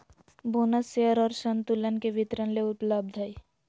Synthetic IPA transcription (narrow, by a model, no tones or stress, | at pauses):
bʱunəseəɾɔːɾʃənt̪ulənkeʋɪt̪ɾənleʊpləb̚d̪ʱəi